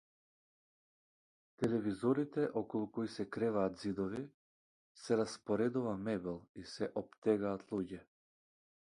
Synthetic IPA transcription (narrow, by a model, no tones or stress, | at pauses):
t̪ɛlɛvizɔɾit̪ɛʔɔkɔlˠukɔisɛkɾɛvaːt̪zid̪ɔvi | sɛɾaspɔɾɛd̪uvamɛbɛlˠisɛʔɔp̚t̪ɛɡaːt̪ʰlˠuɟɛ